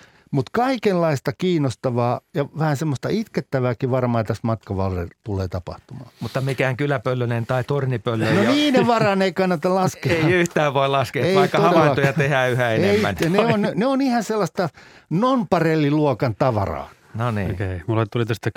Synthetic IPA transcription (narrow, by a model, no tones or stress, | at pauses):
mut̪kɑikellɑist̪ɑkiːnost̪ɑʋɑːjɑʋæhænsemːost̪ɑit̪ket̪ːæʋæːkiʋɑrmɑːt̪æsmɑt̪kɑʋɑ̰lrḛt̪ulˑeːt̪ɑpɑ̰ht̪umɑ̰ːmut̪ːɑmikæːŋkylæpølːønent̪ɑit̪ornipølːønoniːneʋɑrɑneikɑnːɑt̪ɑlɑskeeiyht̪æːʋʋoilɑskeːeiɑikːɑohɑʋeɑiːɑojjɑt̪ehæːyhæeneiæ̰njɑneonneonihɑselːɑst̪ɑnompɑrelːiluɔkɑnt̪ɑʋɑ̰rɑ̰ː | noniːikæmulːet̪t̪ulit̪æst̪æ